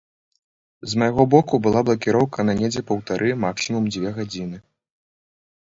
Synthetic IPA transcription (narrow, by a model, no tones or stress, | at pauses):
zmajɣɔbɔkubɨlˠablˠɐkʲiɾɔwkʰɐnanʲɛd͡zʲɛpɐwt̪aɾʔɨmaksʲimumd͡zʲvʲɛɣad͡zʲinɨ